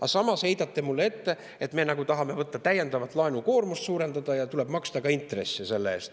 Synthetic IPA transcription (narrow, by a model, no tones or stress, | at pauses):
ɑsɑmɑshe̞jd̪̥ɑt̪ːemulːee̞t̪ːe̞ | et̪me̞ːnɑɡut̪ɑɦɑme̞vɤt̪ːɑt̪æjːe̞nd̪̥ɑvɑt̪ːˑlɑenuko̞ːrmust̪suːɾe̞nd̪ɑd̪̥ɑjɑt̪ule̞bmɑkst̪ɑkɑint̪re̞sːise̞lːeeːst̪